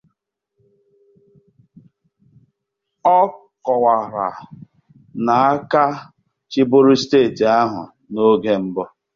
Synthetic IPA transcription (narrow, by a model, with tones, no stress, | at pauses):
ɔ˦kɔ˨wa˨ɾa̰˨ | na˨a˦ka˦ | t͡ʃi˦bʊ˦ɾʊ˦steː˦˨ti˨a˦ɦʊ̰˨ | no˦ɡe˦m̩˦bɔ˦